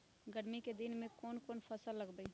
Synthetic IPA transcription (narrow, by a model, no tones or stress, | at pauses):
ɡəɾmiked̪ɪnmẽkɔːnkoːnpʰəsəlːəɡbəi